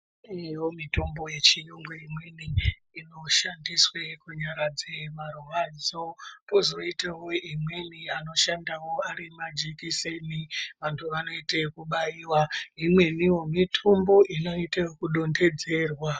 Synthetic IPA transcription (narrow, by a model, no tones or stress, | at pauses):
ewomito̞mbo̞je̞t͡ʃiɲoŋɡoimweniː | no̞ʃandiswekuɲaɾad͡ze̞maruɦad͡zopozo̞itawoimwe̞niano̞ʃandawo̞aɾimad͡ʒikiseniʋantʰuʋano̞itekuɓaiːwaimwe̞niwo̞mitʰombo̞ʔino̞itewkuɗo̞nde̞d͡ze̞ːrwa